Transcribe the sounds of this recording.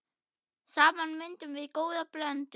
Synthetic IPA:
saːmanmɪnt̪ʏmvɪðkoːwðaplœnt̪

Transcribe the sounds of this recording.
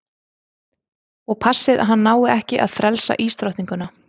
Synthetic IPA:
ɔɣpʰasːɪða̰ðɦanːaːwɪɛhcɪʔaðfɾʔɛlsa̰ʔiːst̪ɾowht̪niŋkʏna

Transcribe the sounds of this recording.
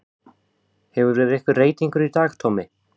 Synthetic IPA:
hɛvʏɾvɛːɾɪɾɛhkvɪɾreːjt̪iŋkʏɾit̪aːxt̪ʰoːmɪ

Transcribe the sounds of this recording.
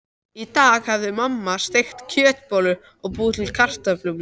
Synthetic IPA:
it̪aːɣhavðʏmamːast̪ejxt̪cʰœːt̪pɔlʏ | ɔɣpuːðt̪ʰɪlkʰar̥t̪aplum

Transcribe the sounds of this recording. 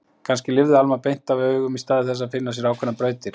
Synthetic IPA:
kʰanscɪlɪvðɪalmapejn̥t̪avœːɥɣʏmist̪aːðɪθɛs̬ːafɪnːasjɛɾaːwkʰɛnapɾœːɥt̪ɪɾ̥

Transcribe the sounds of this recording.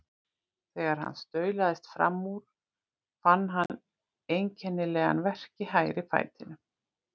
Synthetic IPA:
θɛːɣaɾ̥ha̰nːst̪œːɥlaðɪst̪fɾa̰mːuɾ̥ | fanːɦan | ejɲcʰɛnːɪlɛːɣa̰nvɛr̥cɪɦajɾɪfa̰jt̪ɪnʏ

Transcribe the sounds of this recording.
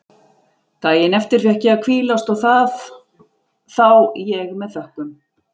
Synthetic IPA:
t̪aːjɛnɛft̪ɪɾ̥fjɛhcɪakʰviːlast̪ɔwθað | θawjɛɣmɛðθœhkʏm

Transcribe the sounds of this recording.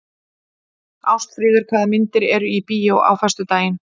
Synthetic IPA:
awst̪fɾiːðɪɾ̥kʰvaːðamɪnt̪ɪɾɛɾʏipiːjaɔʔa̰wfɛst̪ʏt̪aːjɪn

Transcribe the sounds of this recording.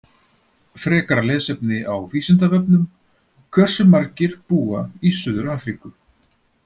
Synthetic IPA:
fɾɛːkaɾalɛːðsɛpnɪʔawviːsɪnt̪avœpnʏm | kʰvɛr̥sʏmaɾcɪɾ̥puːaisʏːðʏɾaːfɾikʏ

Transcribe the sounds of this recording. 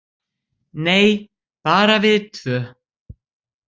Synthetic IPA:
neːj | paːɾavɪðt̪ʰvœː

